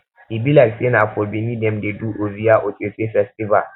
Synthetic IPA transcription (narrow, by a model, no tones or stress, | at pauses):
ʔibilasenakʷoːbiniːdɛmdeduːʔozijaːʔokeseːɸɛstʼɪba̰